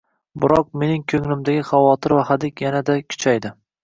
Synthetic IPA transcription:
bʊɾɒq̚me̞nɪŋkʲʰɵŋlɪmd̪aɡʲɪχavɒt̪ʰɪɾvahad̪ɪkʲjanad̪akʲʰʊ̥t͡ʃʰajd̪ɪ

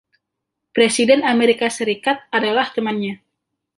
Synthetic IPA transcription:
pɾesidɛnameɾikasəɾikat̪̚adalaht̪əmanɲa

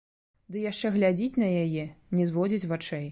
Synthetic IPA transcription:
d̪ɨjaʂt͡ʂɛɣlʲad͡zʲit͡sʲnɐjajɛnʲɛzvɔd͡zʲit͡sʲvat͡ʂɛj

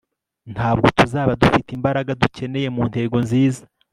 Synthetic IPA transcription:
nthaːb̚ɡo̞tuzaːβadufitimbaɾaɡaduce̞ne̞je̞muːnhe̞ːɡo̞nziːzḁ

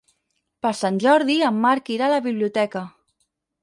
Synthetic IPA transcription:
pəɾsanʲʒɔɾðiəmːaɾkiɾaləβiβliut̪ɛkə

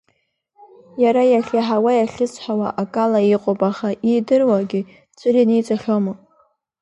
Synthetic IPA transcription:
jaɾajaχʲaħawajaɬʲɪt͡sʰʼħawa̰ʔakʼalaiqʷʼopʼaχaʔidɨrwaɡʲɪ | t͡sʷʰʼɨrinejt͡sʼaχʲomɨ

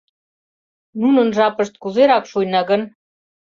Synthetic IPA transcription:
nunə̆nʒɑpə̆ʃt̪̚kuzeɾɑkʃujnɑɣən

